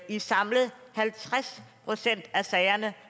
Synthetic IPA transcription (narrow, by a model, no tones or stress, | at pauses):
isɑ̈mləð̩ˠhælt͡sʰʁaspʰʁo̝sen̰d̥æsɛɪɐnə